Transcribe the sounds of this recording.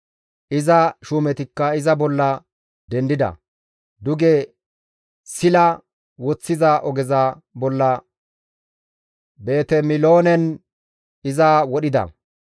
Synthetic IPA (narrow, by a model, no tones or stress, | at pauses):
ʔɪzɐʃuːmɛt̪ɪkːɐɪzɐbɔlːɐ | d̪ɛnd̪ɪd̪ɐ̰ | d̪ʊɡe | sɪlɐ | wɔt͡sːɪzɐʔɔɡɛzɐ | bɔlːɐ | be̞ːt̪ɛmɪloːnɛn | ɪzaːwɔɗɪd̪ɐ̰